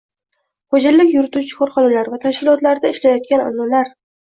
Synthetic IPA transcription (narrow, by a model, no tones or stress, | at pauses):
χod͡ʒaɾːɪkʲjʊɾɪt̪ut͡ʃʰɪ̥kʰoɾχɒlalaɾvat̪ʰaʃkʲɪlˠɒt̪laɾd̪aɪʃlajɒt̪̚kʲanɒ̰nːalaɾ